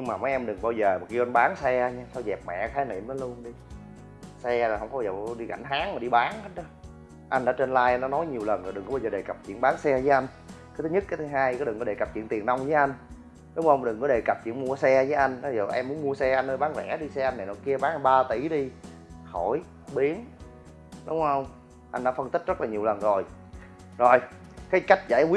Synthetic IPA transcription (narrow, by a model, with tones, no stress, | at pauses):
ɲɨ˧ŋmaː˨˩mə˨˦jʔɛ˧mɗɨ˨˩ŋɓaː˧wzəː˨˩mɔ˨˩ki˧ʔa˧nɓaː˨˦nsɛ˧a˧ɲa˧t̪ʰɔ˧zɛ˨˩p̚mɛ̰˧˨kxaː˨˦jnḭ˨˧˨mn˨˦lu˧ənɗi˧ | sɛ˧laː˨˩hə˧wŋ͡mkɔ˨˦˧ə˨˩˧ɗi˧ɣa̰˧˩ŋ̟ɦaː˨˦˥ŋma˨˩ɗi˧ɓaː˨˦nhə˦˥t̚ɔ˨˦ | ʔa˧ŋɗa̰ː˧˥t͡ɕe˧nlaː˧jʔnɔ˨˦nɔ˨˦jɲi˨˩əwlə˨˩n˨˩ɗɨ˨˩ŋkɓa˧wzəː˨˩ɗe˨˩kə˨˩p̚t͡ɕḭ˧˥ənɓaː˨˦nsɛ˧vəː˨˦jʔa˧jŋ̟ | ka˨˦t̪ʰɨ˨˦ɲɨ˦˥t̚kaː˨˦t̪ʰɨ˨˦ɦaː˧jkɔ˨˦ɗɨ˨˩ŋkɔ˨˦e˨˩ka˨˩p̚t͡ɕḭ˧˨nt̪i˨˩əna˧wŋ͡mvəː˨˦ʔa˧jŋ̟ | ɗʊ˨˦ŋ͡mhə˧wŋ͡mɗɨ˨˩ŋkɔ˨˦ɗe˨˩kə˨˩p̚t͡ɕḭ˧˨ənmu˧əsɛ˧vəː˨˦ʔa˧jŋ̟ɓa˧zəː˨˩ʔɛ˧mu˦ənmu˧əsɛ˧ʔa˧jnnəː˧jɓaː˨˦nvɛ̰˧˩ɗi˧sɛ˧ʔa˧jna˨˩jnɔ˨˦ki˧əɓaː˨˦ŋ˧˩ɓaː˧t̪i˧˩ɗi˧ho˧˩j | ɓi˨˦ən | ɗʊ˨˦ŋ͡mhə˧wŋ͡m | ʔa˧ŋɗa̰ː˧˦fə˧nt̪i˦˥k̚zə˦˥t̚laː˨ɲi˨˩əwlə˨˩nzo˨˩j | zo˨˩jkaː˨˦jka˦˥jk̟̚za̰ː˧˩˦jwi˦